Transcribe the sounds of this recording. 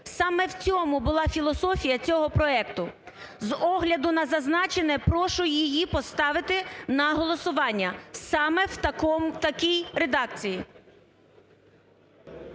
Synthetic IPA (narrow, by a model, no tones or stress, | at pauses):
sɑmɛwt͡sʲɔmʊbʊlˠɑfʲilˠɔsɔfʲijɐt͡sʲɔɦɔpɾɔɛk̚t̪ʊ | zɔɦlʲɐd̪ʊnɐzɐznɑt͡ʃenɛpɾɔʃʊjijipɔst̪ɑʋɪt̪ɪnɐɦɔlˠɔsʊʋɑnʲːɐsɑmɛwt̪ɐkɔmt̪ɐkʲijɾed̪ɑkt͡sʲiji